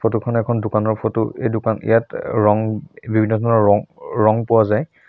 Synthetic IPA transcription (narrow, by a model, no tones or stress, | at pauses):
pʰotukʰɔnɛkʰɔndʊkanɔɹpʰotʊejdʊkanḭjatɹɔŋbibʱinːɔdʱɔnɔɹɔŋɹɔŋpʊwazaj